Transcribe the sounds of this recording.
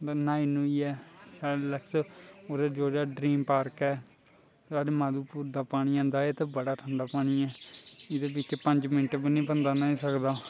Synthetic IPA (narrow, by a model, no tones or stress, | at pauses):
d̪aːnaːinũːiːɛːsaːɽləksoːd̪eːd͡ʒoːd͡ʒaːɖɾiːmpaːɾkɛː | saːɾeːmaːd̪uːpuːɾd̪aːpaːɽ̃iːãːnd̪aːeːt̪eːbəɽaːʈʰəɳɖaːpaːɽ̃iːɛːɪd̪eːbɪt͡ʃepəɲd͡ʒmɪnʈbənĩːbənd̪aːnaĩːsəkd̪aː